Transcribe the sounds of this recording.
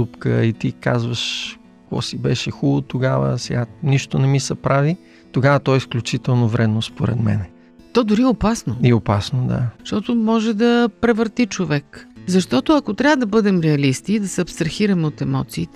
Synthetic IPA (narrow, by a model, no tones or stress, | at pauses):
upkə̰it̪ika̰zvəʃ | kɔ̰sibɛʃɛxulˠot̪oɡavə̰sɛɡaniʃt̪onɛmisɛpɾavi | t̪oɡavət̪ɔɛsklʲut͡ʃit̪ɛlˠnovɾɛd̪nospoɾɛ̰d̪mɛ̰nɛ | t̪ɔd̪ʊɾiopasnoiopasnod̪a̰ʃt̪ɔt̪omɔʒɛd̪ɐpɾɛvəɾt̪it͡ʃovɛkzɐʃt̪ɔt̪ʊɐkot̪ɾʲjavəd̪ɐbɤd̪ɛmɾɛɐlist̪iːd̪ɐsɛɐpst̪ɾɐxiɾɐmɛot̪ɛmɔt̪siːt̪